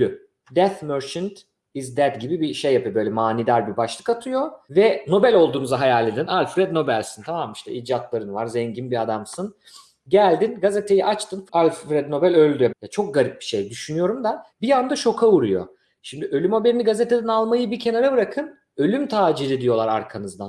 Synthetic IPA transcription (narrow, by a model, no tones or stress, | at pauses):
d̪y | d̪ɛθmøɾt͡ʃɯnt̪ | izd̪æd̪ɟibibiʃejːapɯjobø̞jlʲɛmaːnid̪aɾbibaʃlˠɯ̥kat̪ʰɯjo̞vɛno̞bælʲo̞lˠd̪uːnuzaɦajalʲːed̪inalʲfɾɛd̪no̞bælʲsint̪ʰamamiʃt̪ʰɛ̰id͡ʒat̪lˠaɾɯnɯva̰ɾzɛɲɟinbiad̪amsɯn | ɟælʲd̪inɡazet̪ʰe̞jiʔat͡ʃt̪ʰɯnalʲfɾɛd̪no̞bælʲølʲd̪yjojat͡ʃʰo̞k̚ɡaɾip̚bi̥ʃe̞jd̪yʃynyjo̞ɾumd̪abijand̪aʃo̞kʰauɾujo̞̰ | ʃimd̪iʔø̞lʲymo̞beɾiniɡazet̪ʰe̞d̪ɛnalˠmajɯbicʰe̞naɾabɯɾakʰɯn | ø̞lʲymt̪ʰaːd͡ʒiɾid̪ijo̞lˠaɾaɾkʰanɯzd̪an